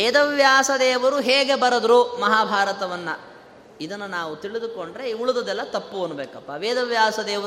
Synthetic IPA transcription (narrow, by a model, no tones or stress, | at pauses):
ʋɛːd̪ɐʋjaːsɐd̪ɛːʋɐɾuɦeːɡe̞bɐɾɐd̪ɾumɐɦaːbʱaːɾɐt̪ɐʋɐnːɐ̰ | id̪ɐnːunaːʋut̪iɭid̪uko̞ɳɖɾe̞iuɭud̪ɐd̪ɛlːɐt̪ɐpːuɐnːubeːkɐpːɐʋeːd̪ɐʋjaːsɐd̪ɛːʋɐ